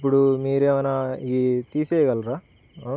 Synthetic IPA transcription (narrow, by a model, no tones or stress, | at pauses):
p̬ːuɽumiːɾeːʋɐnait̪iːseːɡɐlɾaː